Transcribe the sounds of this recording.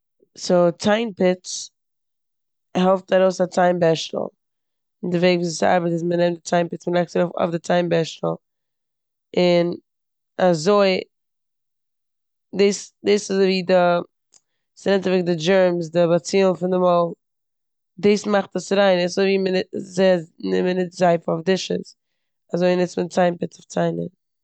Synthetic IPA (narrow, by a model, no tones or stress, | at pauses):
soʊt͡saɪnpɪt͡s | hɛlˠftaɾoʊsat͡saɪmbɛʃtl̩ˠ | ɪndɪveɪɡviːsɪsa̰ɾbətɪs̬mənɛmdɪt͡saɪmpɪt͡smənɛkstɾofɔ̰fdɪt͡saɪmbɛʃtl̩ˠ | ɪn | azoɪ | deɪsdeɪsɪzviːdɪ | sɪnɛmtvɪɡdɪd͡ʒɛɹmsdɪbat͡siːlnfɪndɪmɔlˠ | deːsmaχtəsɾaɪnɪsoviːmnɪzeɪanɪmənɪtzaɪfɔfdɪʃə̰s | azoɪnɪt͡smət͡saɪnpɪt͡sɔft͡saɪnə̰n